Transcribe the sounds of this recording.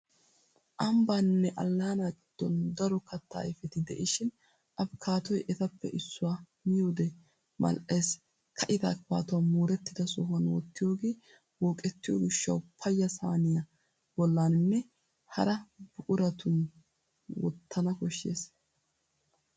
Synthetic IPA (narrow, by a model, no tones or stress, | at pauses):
ʔɐmbanːɛʔɐ̰lːaːnad̪̥ːɔnd̪ɐɾɔkɐt̪ːa̰ːɪfɛt̪ɪd̪ɛ̰ʔɪʃɪn | ʔɐbkʰaːt̪ɔjʔɛt̪ɐpːɛ̰ʔɪsːʊwaː | mɪjoːd̪ɛ | mɐ̰lʔeːs | kʰɐʔɪt̪aːkpa̰ːt̪ʊwamuːɾɛt̪ːɪd̪ɐsɔɦʊɐnwɔ̰t̪ːɪjoːɡeː | wɔːkʼɛt̪ːɪjo̰ɡɪʃːɐwpʰɐjːɐsa̰ːnɪjɐ | bɔlːaːnnːɛ | hɐ̰ɾɐb̥ʊʔʊɾɐt̪ʊn | wɔ̰t̪ʰːɐnɐkɔʃːḛːs